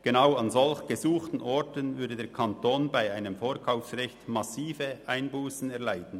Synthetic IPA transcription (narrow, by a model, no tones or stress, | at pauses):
ɡ̥enaʊɑnzɔlçɡ̥əzuːxtn̩ʔɔɹtənvʏɐdədeːkʰɑntoːnbaɪaɪnəmfoːɾkʰaʊfsrɛçtmasiːfəʔaɪnbuːsn̩ɛɐlaɪtn̩